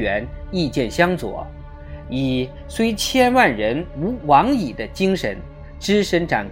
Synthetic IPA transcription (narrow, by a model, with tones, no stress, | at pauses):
ɛ˧˥ni˥˧t͡ɕjɛ˥˩nɕjɑ˥ŋt͡swɔ̰˨˩˦ | i˨˩ | swe˥ɪt͡ɕʰjɛ˥nwa˥˩nɻə˧˥nu˧˥wɑ˧˥ŋi˨˩d̪ə˦t͡ɕi˥ŋʂə˧˥n | ʈ͡ʂɻ̩˥ʂə˧˥nʈ͡ʂa˨˩nk